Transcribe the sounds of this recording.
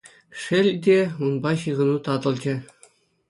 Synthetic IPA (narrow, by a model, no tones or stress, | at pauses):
ʂɘ̆lʲdʲeunbɑɕɯʁɤ̆nut̪ɑd̪ɤ̆lʲˠd͡ʑɘ̆